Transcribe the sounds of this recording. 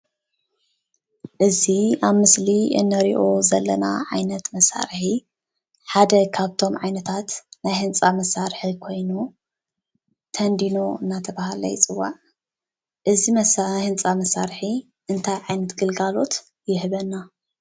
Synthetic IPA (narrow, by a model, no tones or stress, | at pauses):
ʔɨziaβmɨsliɨ̰nːɐɾiʔo̞zɐlːɐna̰ʕajnɐt̪mɐsa̰ɾħi | ħad̪ɐkʰaβt̪ʰo̞mʕajnɐt̪ʰat̪najhɨnt͡sʼamɐsaɾħikʰo̞jnu | t̪ʰɐnd̪ino̞ɨnːat̪ʰɐβahalɐ̰jɪt͡sʼɨwːa̰ʕ | ʔɨzimɐshɨnt͡sʼamɐsaɾħi | ʔɨnt̪ʰajʕajnɐt̪ɡɨlɡalo̞t̪ | jɪhɨβɐnːa